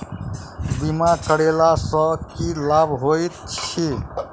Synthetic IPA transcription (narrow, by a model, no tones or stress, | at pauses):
bimakəɽelasə̃kilabɦojt̪̚t͡ʃʰi